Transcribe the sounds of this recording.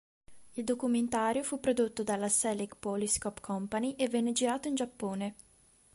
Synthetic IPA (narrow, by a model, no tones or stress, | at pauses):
ild̪okument̪aːɾjofupːɾod̪ot̪ːod̪alːasɛlikpɔliskɔpkʰɔmpaniʔevːɛnːed͡ʒiɾaːt̪oind͡ʒapːoːne